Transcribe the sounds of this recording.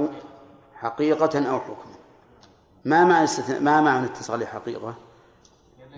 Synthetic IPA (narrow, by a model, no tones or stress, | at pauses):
ħaqiːqɑʔawħʊkma | mamajɪst̪aθna̰ʔmamaʕanɪt̪ʰːɑsˤɨlːiħaqḭːqɑ